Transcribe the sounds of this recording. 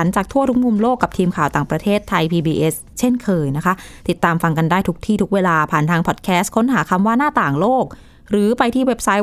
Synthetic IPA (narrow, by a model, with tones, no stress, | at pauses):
a˩˦nt͡ɕaː˨˩k̚t̪ʰu˥˩t̪ʰu˦˥k̚mu˧mloː˥˩kːa˨˩p̚t̪ʰiː˧mkʰaː˨˩wt̪aː˨˩ŋpɾa˧t̪ʰeː˥˩t̪ʰːa˧jpʰiː˧biː˧ʔe˦˥s | t͡ɕʰe˥˩nkʰɤː˧jna˦˥kʰa˦˥t̪i˨˩t̪ːaː˧mfa˧ŋka˧ndaː˥˩jt̪u˦˥k̚t̪ʰiː˥˩u˦˥k̚weː˧laː˧pʰaː˨˩nt̪ʰaː˧ŋpʰɔː˨˩t̪̚kʰɛː˦˥st̚kʰo˦˥nɦaː˩˦kʰa˧mwaː˥˩naː˥˩t̪aː˨˩ŋloː˥˩k̚ | ɾɯː˩˦pa˧jt̪ʰiː˥˩we˦˥p̚sa˦˥j